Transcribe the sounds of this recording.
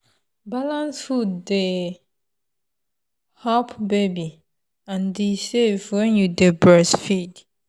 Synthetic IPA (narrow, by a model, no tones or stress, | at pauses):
balãnsfudde | hapbebi | ãndisevwɛ̃njudebɛsfid